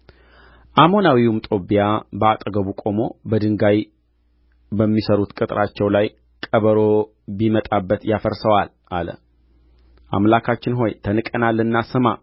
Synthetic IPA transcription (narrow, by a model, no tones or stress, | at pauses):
ʔamo̞nawiumt̪ʼo̞bijabəat̪ʼɡəβukʼo̞mo̞bəd̪ɨŋɡaj | bəmːisəɾut̪kʼɨt̪ʼɾʔat͡ʃːɛwlaj | kʼəβəɾo̞ | bimət̪ʼabːət̪jafəɾsəwal | ʔalə̰ | ʔa̰mlakʰat͡ʃːɪnɦo̞jt̪ʰənɨkʼənalːɨnːasɨma̰